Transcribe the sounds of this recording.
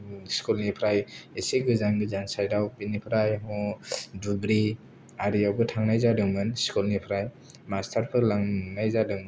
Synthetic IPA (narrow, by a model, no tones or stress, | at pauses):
skulnipʰɾajeseɡɯzaŋɡɯzansajdawbinipʰɾajɦɔdubɾi | aɾijawbɯtʰaŋnajzadɯŋmɯnskulnipʰɾaj | mastʰaɾpʰɯɾlaŋnajzadɯŋmɯn